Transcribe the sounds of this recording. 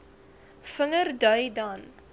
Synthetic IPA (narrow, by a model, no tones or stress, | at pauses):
fəŋərdœɥdaːn